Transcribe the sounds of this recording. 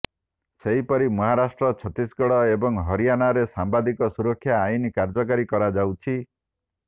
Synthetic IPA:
seɦipɔɾimɔɦaɾasʈɾɔt͡ʃʰɔt̪isɡɔɽɔebɔŋɦɔɾijanaɾesambad̪ikɔsuɾɔkʰːjaːinikaɾd͡ʒɔkaɾikɔɾad͡ʒawt͡ʃʰi

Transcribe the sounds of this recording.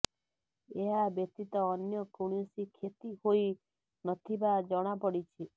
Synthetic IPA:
eɦabjət̪it̪ɔːnjɔkuɽ̃jsikʰet̪ihoi | nɔt̪ʰibad͡ʒɔɽ̃apɔɽit͡ʃʰi

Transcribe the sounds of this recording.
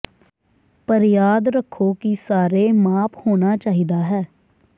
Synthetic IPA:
pəɾjaːd̪ɾəkʰːoːkisaːɾeːmaːpʰhoːnaːt͡ʃaːɦiːd̪aːɦɛː

